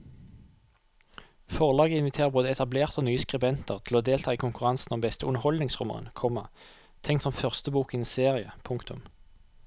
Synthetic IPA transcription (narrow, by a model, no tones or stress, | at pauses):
fɔʁlɑːɡəɪnʋɪt̪ʰeːʁəboːd̪əɛt̪ɑbleːʁt̪oːnyːəskʁɪbɛnt̪əʁt̪ʰɪloːd̪eːlt̪ʰɑːiːkʰʊŋkʉʁɑnsn̩ɔmbɛst̪əʉnəʁhɔld̪nɪŋsʁʉmə̰ʁə̰nkʰɔmɑ | t̪ʰɛŋkt̪sɔmfœʁst̪əbuːkɪniːseːʁɪəpʰʊŋkt̪ʊ̰m